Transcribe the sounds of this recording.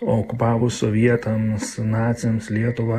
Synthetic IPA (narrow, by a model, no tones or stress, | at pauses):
oːkʊpɑːʋʊsoʋʲiɛt̪ɐmsnɑːt̪sʲɪomslʲiɛt̪ʊʋɐ